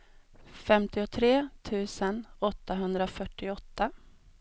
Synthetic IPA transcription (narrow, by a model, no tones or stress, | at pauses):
fɛmt̪ɪɔt̪ʰɾeːt̪ʰʉ̟ːsənɔt̪ːaɦɵnd̪ɾafœʈːɪɔt̪ːa